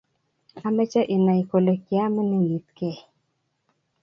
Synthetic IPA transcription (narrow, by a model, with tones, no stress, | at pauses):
a˦mɛ˦t͡ʃa˦ʔɪ˨na˨i˨ko˨lo˨kja˦mɪ˦nɪ˦li˨t̪kɛ˨